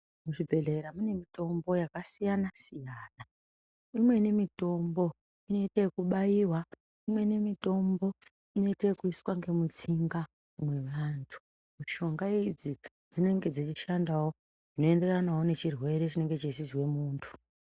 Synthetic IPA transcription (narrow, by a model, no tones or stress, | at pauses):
muʃibʱe̞ɮeɾamune̞mito̞mbo̞jakasijanasijaːna | imwe̞nemito̞mbo̞ | ino̞itekuɓajiːwa | imwe̞nemito̞mbo̞ | ino̞itekuiswaŋɡe̞mut͡siŋɡa | mwe̞ʋaːntʰu̥ | miʃo̞ŋɡaid͡zi | d͡zine̞ŋɡe̞d͡zit͡ʃiʃandawo | ʐino̞e̞nde̞ranawone̞t͡ʃirwe̞ɾet͡ʃine̞ŋɡe̞t͡ʃesizwe̞muːntʰu̥